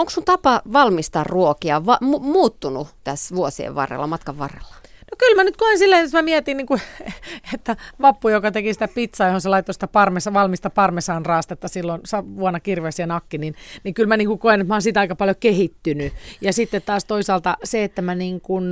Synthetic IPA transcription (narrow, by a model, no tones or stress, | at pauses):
oŋksunt̪ɑpɑʋɑlmist̪ɑrruokiɑʋɑmumuːt̪ːunut̪æsʋuosiḛʋʋɑ̰rḛlːɑ̰mɑt̪kɑʋʋɑ̰rḛlːɑ̥nokylmænyt̪̚koinsilːæesmæmiɛt̪inniːŋku | et̪ːæʋɑpːujokɑt̪ekisi̥t̪æpit̪sɑːjohonselɑit̪ːosi̥t̪æpɑrmesɑʋɑlmist̪ɑpɑrmesɑːnrɑːst̪ɑt̪ːɑsilːonsɑʋuɑnɑkirʋeːsienɑkːininnikylmæniːŋkukoinet̪mɑonsit̪ɑikɑpɑljokehit̪ːynyjɑsit̪ːet̪t̪ɑːst̪oisɑːlt̪ɑseet̪ːæmæniːŋkun